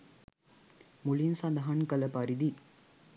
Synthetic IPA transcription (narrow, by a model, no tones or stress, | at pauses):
mʊlinsɐnd̪ɐɦankɐlɐpɐɾiði